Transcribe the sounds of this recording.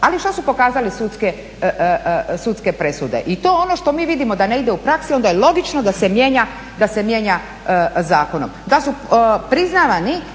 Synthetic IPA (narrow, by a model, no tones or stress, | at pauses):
aliʃt̪osupo̞kaːzalisut̪ske | sut̪ske̞pɾe̞sud̪e̞̰ʔit̪o̞ːono̞ʃt̪o̞miːʋid̪imo̞d̪ane̞id̪e̞upɾaksio̞nd̪ajelˠo̞ɡit͡ʃnod̪ase̞mje̞ɲa | d̪ase̞mjeɲa | zaːko̞no̰md̪asupɾiznaʋani